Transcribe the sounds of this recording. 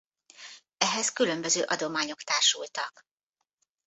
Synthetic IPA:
ɛɦɛskylømbøzøːʔɒd̪o̞maːɲo̞kt̪aːrʃult̪ɒk

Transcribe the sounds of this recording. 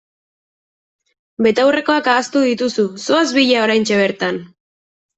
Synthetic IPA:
be̞t̪awre̞ko̞akaːst̪uðit̪ususoazβiʎao̞ɾajnt͡ʃe̞β̞e̞ɾt̪an

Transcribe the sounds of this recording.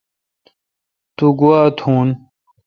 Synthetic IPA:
t̪uɡuwaːt̪ʰuːn

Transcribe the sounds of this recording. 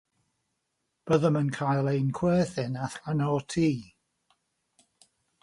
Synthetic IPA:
b̥əðəmənkʰajlˠejnkʰwɛːθɪnaθanɔtʰiː

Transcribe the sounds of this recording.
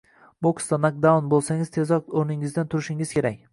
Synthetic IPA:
boksd̪anak̚d̪awnbolˠsaŋɪzt̪ʰezɒqoɾnɪŋɪzd̪ant̪ʰʊɾɪʃɪŋɪzkʲe̞ɾak̚ʲ

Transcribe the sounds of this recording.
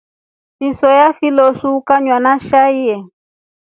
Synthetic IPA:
fisɔjafilɔsukaɲwanaʃaiɛ

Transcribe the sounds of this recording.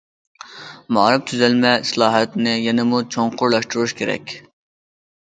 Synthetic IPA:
mɑ̰ɾɨp̚t̪ʰyzælmɛislˠɑːɦɛt̪nɪjɛnɪmut͡ʃʰoɴqʊɾlˠɑʃt̪uɾuʃkʲʰeɾɛ̰kʲ

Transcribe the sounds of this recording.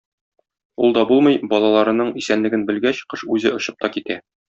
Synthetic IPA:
ṵlˠd̪ɒbulˠmɤjbɒlˠɑlˠɑɾɤ̆nɤɴisænlɘ̆ɡɘnbɘ̆lɡæɕqɤʃʉzɘŏɕɤp̚t̪ɒkit̪æ

